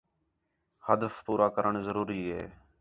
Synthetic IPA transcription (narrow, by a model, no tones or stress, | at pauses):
həd̪əfpuːɾaːkəɾəɳzəɾuːɾiːɦḛː